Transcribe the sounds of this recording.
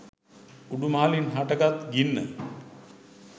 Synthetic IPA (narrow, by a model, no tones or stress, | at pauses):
uɖumaːlinɦaʈəɡat̪ɡinːə̰